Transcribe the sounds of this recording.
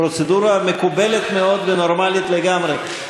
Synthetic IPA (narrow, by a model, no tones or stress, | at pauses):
ɾo̞t͡sed̪uɾamekubelet̪meo̞d̪veno̞ɾmalit̪leɡamɾe